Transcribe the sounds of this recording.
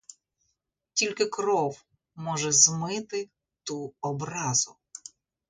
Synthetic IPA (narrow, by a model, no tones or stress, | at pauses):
tʲilʲkɪkɾɔw | mɔʒɛzmɪt̪ɪ | t̪uɔbɾɑzʊ